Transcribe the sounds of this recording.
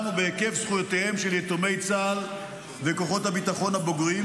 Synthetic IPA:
mubeekevsχujot̪ehe̞mʃeljet̪ome̞jt͡saːl | veko̞χo̞thabit̪aχo̞nhabo̞ɡʁi

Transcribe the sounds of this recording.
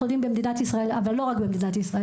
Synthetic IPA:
odimbemd̪inatisʁae̞lavalːo̞ʁakbemd̪inat̪isʁae

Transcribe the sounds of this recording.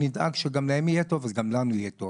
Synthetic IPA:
nid̪ʔa̰ɡʃeɡamlahemijet̪o̞vazɡamlanuijet̪ov

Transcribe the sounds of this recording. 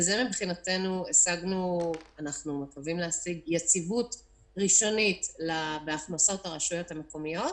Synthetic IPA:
zemibχinate̞nuesaɡnuanaχnumakavimleasiɡjet͡sivut | ʁiʃo̞nitlabeaχnaso̞taʁaʃujo̞thameko̞mijo̞t

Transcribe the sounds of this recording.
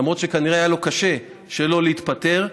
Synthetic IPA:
mʁo̞t̪ʃekaniʁeajalo̞kaʃe̞ | ʃelo̞leit̪pate̞ʁ

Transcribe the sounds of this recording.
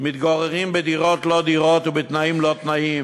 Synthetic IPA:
mɪt̪ɡaʁɛʁiːmbɪdiʁɔt̪lod̪iʁɔt̪ʊbɪt̪naiːmlot̪naim

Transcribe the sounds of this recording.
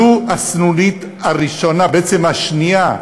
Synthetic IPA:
uasnunit̪ | aʁiʃo̞nabeet͡semhaʃnia

